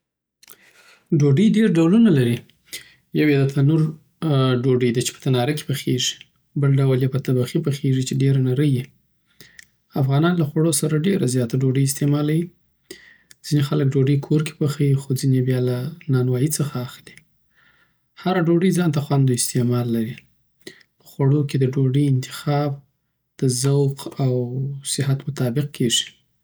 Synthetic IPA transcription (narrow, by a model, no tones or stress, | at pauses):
ɖoɖəjɖeɾɖawlunalaɾi | jawed̪at̪ʰanuɾ | ɖoɖəjd̪at͡ʃe̥pə̥t̪anɑɾake̥pəxeʐi̥ | bəlɖawljapət̪abaxipəxeʐit͡ʃeɖeɾanaɾəji | afɣɑnɑnlaxwaɽosaɾaɖeɾazjɑt̪aɖoɖəjɪst̪emɑlawi | d͡z̥inexalək̚ɖoɖəjkʰoɾke̥pəxajixod͡zinebjɑlanɑnwɑjit͡səxaːxli | haɾaɖoɖəjd͡zɑnt̪axwand̪oɪst̪emɑlːaɾi | pə̥xwaɽoked̪əɖoɖəjɪnt̪ɪ̥xɑb̚ | d̪̥əzawqawsɪɦat̪mʊt̪ɑbɪq̚kʰeʐi̥